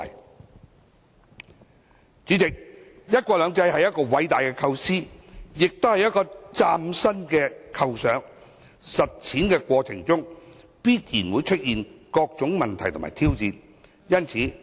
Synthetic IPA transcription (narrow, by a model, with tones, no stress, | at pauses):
j | t͡syː˨˥t͡sɪ˨k̚ | jɐ˥t̚kʷɔː˧lœː˨˧ŋt͡sɐ˧jɦɐ˨jɐ˥t̚kɔː˧wɐ˨˥jt̪aː˨˩jkɛː˧kʰɐ˧wsiː˥jɪ˨k̚t̪o˥whjɐ˥t̚kɔː˧t͡saː˧msɐ˥nkɛː˧kʰɐ˧wsœː˨˥ŋ | sɐ˨t̚t͡sʰiː˨˥nkɛː˧kʷɔː˧t͡sʰɪ˨˩ŋt͡sʊ˥ŋ | piː˥t̚jiː˨˩nwuː˨˧jt͡ʃʰɵ˥t̚jiː˨nkɔː˧k̚t͡sʊ˨˥ŋmɐ˨nt̪ʰɐ˨˩jt̪ʰma̰ː˨˩jt̪ʰiː˥wt͡siː˨˧n | jɐ˥nt͡sʰiː˨˥